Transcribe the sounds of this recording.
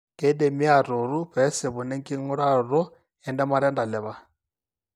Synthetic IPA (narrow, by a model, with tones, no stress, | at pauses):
kʼɛ˦de˨mi˦a˨ɾu˨ɾu˦ɸɛ˨˦sɪ˨βʊ˨nɛ˦ŋkʼi˦ŋɔ˦ɺa˦˨ɾɔ˦ | ɛ˨ndɛ˦ma˦ɾɛ˦nda˨lɪ˨βa˨